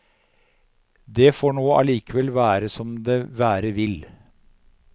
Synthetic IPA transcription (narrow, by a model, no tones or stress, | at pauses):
d̪ɛfoːɳoːʔɑ̰liːkəʋɛlʋæːɾəsɔmd̪eːʋæːɾəʋɪl